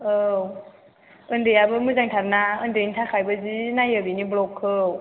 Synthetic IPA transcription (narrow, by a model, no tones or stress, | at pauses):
ɯw | ɯndejabɯmɯzaŋtʰab̚naɯndenitʰakʰajbɯzinajɯbiniblɔkʰːɯw